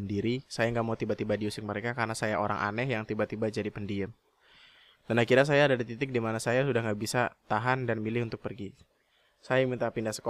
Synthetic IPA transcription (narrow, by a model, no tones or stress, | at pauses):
ndiɾisajaŋɡaʔmaut̪ibat̪ibadiusɪk̚məɾekakaɾnasajaʔoɾa̰ŋʔa̰nɛhjaŋt̪ibat̪ibad͡ʒadipəndiəm | d̥anakiɾas̬ajaːdadit̪it̪ɪk̚dimanasajasudahŋɡaʔbisat̪aɦandanmilɪhunt̪ʊk̚pərɡi | sajamint̪apindahsə̥ko